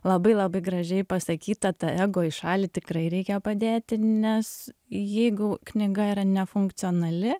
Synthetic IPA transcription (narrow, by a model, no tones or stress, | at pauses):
lˠɐbɐɪlˠɐbɐɪɡɾɐʒʲɛɪpɐsɐkʲiːt̪ɐt̪ɐɛːɡoːɪʃɑːlʲit̪ʲɪkɾɐɪɾʲɛɪkʲɛpɐd̪ʲeːt̪ʲɪnʲɛsjɛɪɡʊknʲɪɡɐiːɾɐnʲɛfʊŋkt̪sʲɪoːnɐlʲɪ